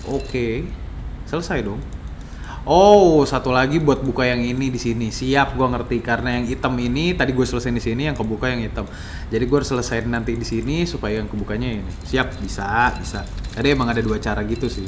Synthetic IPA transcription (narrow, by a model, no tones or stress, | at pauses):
ʔoke | sələsajdɔŋ | ʔosat̪ulaɡibuat̪̚bukajaŋinidisinisiap̚ɡuaŋərt̪ikarənajaŋit̪əminit̪adiɡuasələsajndisiniaŋkabukajaŋit̪əm | d͡ʒadiɡuaɾsələsajnnant̪idisinisupajajaŋkəbukaɲainisiap̚bisabisat̪adiemaŋadaduat͡ʃaɾaɡit̪usɪh